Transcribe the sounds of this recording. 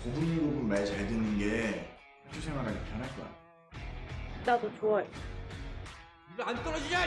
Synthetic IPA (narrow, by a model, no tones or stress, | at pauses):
kobuɲiɡobunmaɭt͡ɕaɭdɯnɯnɡe̞ | kʰaɭtʰesʰeŋwaɡʰad͡ʑipjʌnɦaɭk͈oa̰ | nadot͡ɕoae | ibant͈ʌɾʌd͡ʑid͡ʑa